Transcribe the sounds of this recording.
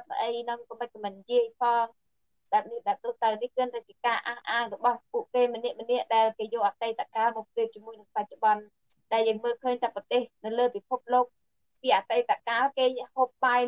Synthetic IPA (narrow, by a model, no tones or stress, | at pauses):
əʔəjnɨŋk̪oməc̚kamɨnjiəjpʰɑːŋ | ɗaɛp̚niɗaɛp̚t̪oht̪awnihkrɨənt̪at͡ɕiəkaːʔaːhʔaːŋrɔɓɑhpuəʔkeːmə̆nɛ̆əʔmə̆nɛ̆əʔɗaɛlkeːjoːʔat̪ajt̪akaːlmoːəpliəp̚t͡ɕiəmuəjnɨŋpac̚t͡ɕoɓɑn | ɗaɛljəːŋməːlkʰəːɲt̪ʰaːprɑt̪eːhnɨwləːpipʰup̚loːk̚ | piəʔat̪ajt̪akaːlkeːhoːp̚ɓaːj